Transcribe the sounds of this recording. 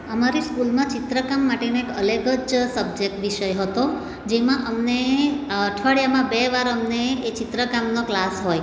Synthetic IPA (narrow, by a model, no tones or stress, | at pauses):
əmaɾiskulmãt͡ʃɪt̪ɾəkamːaʈenoekələɡəd͡ʒsəb̚d͡ʒek̚ʈʋiʃəjɦət̪o | d͡ʒemãʔəmneəʈʰʋaɽjamãbeʋaɾəmneːt͡ʃɪt̪ɾəkamnoklasɦoj